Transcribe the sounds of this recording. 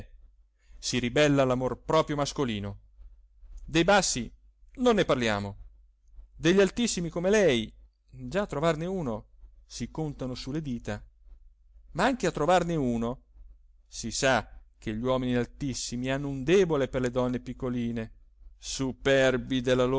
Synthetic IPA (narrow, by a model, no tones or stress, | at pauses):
siɾibɛlːalamorpɾɔːpɾjomaskoliːno | d̪ejbasːi | nonːeparlja̰ːmo | d̪eʎːalt̪isːimikomelɛj | d͡ʒat̪ːɾovarneuːno | sikont̪anosulːed̪iːt̪a | maaŋk̟eat̪ːɾovarneuːno | sisak̟eʎːwɔːminialt̪isːimianːound̪ɛːboleperled̪ɔnːepikːoliːne | supɛrbid̪elːalo